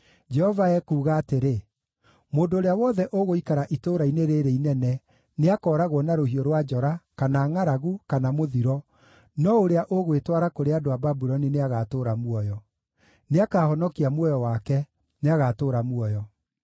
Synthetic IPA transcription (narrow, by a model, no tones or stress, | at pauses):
d͡ʒɛhɔvaɛkuːɣaːteɾe | moːndoːɾeawɔðɛʔoɣoikaɾaʔitoːɾaineɾeɾeinɛnɛ | neakɔːɾaɣwɔnaɾohiɔɾwad͡ʒɔɾakanaːŋaɾaɣukanamoðiɾɔ | nɔoɾeaʔoɣwetwaɾakoɾeadoababuɾɔnineaɣatoːɾamwɔjɔ | neakaːhɔnɔkiamwɔjɔwakɛ | neaɣatoːɾamwɔjɔ